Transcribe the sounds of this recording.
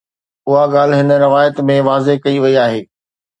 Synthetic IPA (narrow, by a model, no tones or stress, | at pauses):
ʊɦaɠaːl̤ɦɪnə̆ɾɪʋaːjət̪mẽʋaːzekɐiʋɐiaːɦeː